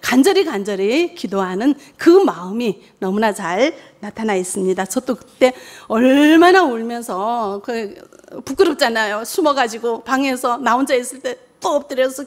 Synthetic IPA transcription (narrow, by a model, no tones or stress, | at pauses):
kand͡ʑʌɾikand͡ʑʌɾikidoɦanɯn | kɯmaɯmi | nʌmunat͡ɕaɭ | natʰanais͈ɯmɲidat͡ɕʌt͈okɯ̥t͈e̞ʌɭmanaoɭmjʌnsʰʌkɯ | puk͈ɯɾɯp̚t͡ɕ͈anajosʰumʌɡad͡ʑiɡopaŋe̞sʰʌnaond͡ʑais͈ɯɭt͈e̞ | t͈oʌp̚t͈ɯɾjʌsʰʌ